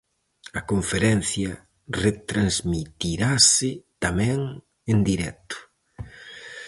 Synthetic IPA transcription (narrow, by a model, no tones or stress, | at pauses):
ɐkoɱfeɾɛn̟θjɐ | ret̪ɾanzmit̪iɾasɪt̪amɛ̃ŋ | end̪iɾɛt̪ʊ̥